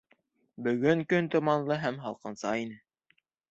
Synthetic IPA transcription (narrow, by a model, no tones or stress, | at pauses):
bɵ̆ɡɵŋkɵnt̪ŏmɑnlˠɤɦæmɦɑlˠqɤ̆nsɑinɘ